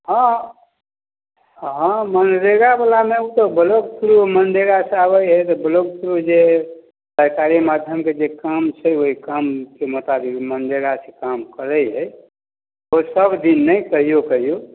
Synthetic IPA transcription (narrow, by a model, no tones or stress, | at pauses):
ɦə̃ | ɦãmənɾeɡabəlameut̪ɔbəloɡsʰuɾumənɖeɡaseaβəjɦət̪ɔbəloɡ̚sʰɾud͡ʒe | səɾkaɾimad̪ʱjəmked͡ʒekamt͡ʃʰəoɦikamkemot̪abikmənɖeɡasekamkəɾəjɦə | osəbʱd̪inːəjkəɦijokəɦijo